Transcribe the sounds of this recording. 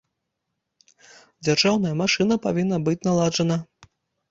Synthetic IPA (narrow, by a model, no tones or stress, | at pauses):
d͡zʲarʐawnɐjɐmaʂɨnɐpavʲinːɐbɨt͡sʲnalˠad͡ʐɐnɐ